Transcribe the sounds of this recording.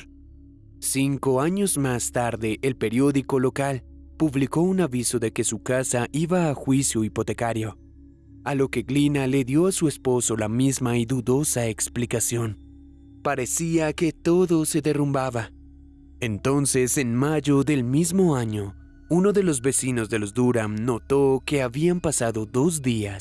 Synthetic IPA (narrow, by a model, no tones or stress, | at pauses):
siŋko̞aɲozmast̪aɾðe̞ʔːlpe̞ɾjo̞ðiko̞lo̞kal | puβliko̞unaβiso̞ðe̞ke̞sukasaʔiβaːxwisjoipo̞t̪e̞kaɾjo | alo̞ke̞ɡlinale̞ðjo̞asue̞spo̞so̞lamizmaiðuðo̞saeksplikasjo̞n | paɾe̞siake̞t̪o̞ðo̞se̞ðe̞rumbaβa | e̞nt̪o̞nse̞se̞nmaʝoðe̞lmizmo̞aɲo̞ | uno̞ðe̞lo̞zβe̞sino̞zðe̞lo̞zd̪uɾamno̞t̪o̞ke̞aβiampasaðo̞ðo̞zd̪ias